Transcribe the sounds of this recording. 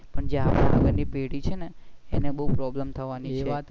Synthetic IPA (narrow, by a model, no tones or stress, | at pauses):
pəɳd͡ʒeapaʋəɡəɾnipeɽit͡ʃʰeneːneɓəɦupɾɔbləmt̪ʰəʋanit͡ʃʰe